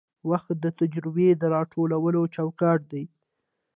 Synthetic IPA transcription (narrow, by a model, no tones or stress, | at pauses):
waxt̪̚d̪ət̪ad͡ʒɾɪbed̪əɾɑʈʰolawəlot͡ʃawkɑʈ̚d̪aj